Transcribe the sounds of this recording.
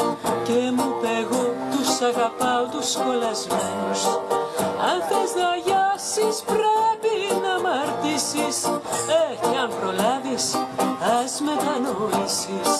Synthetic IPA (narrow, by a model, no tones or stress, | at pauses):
k̪emupeɣot̪usaɣapawt̪uskolazmenus | a̰nθezðaʝasispɾepinamaɾt̪isisekeɐmpɾolaðisɐzmet̪anoisis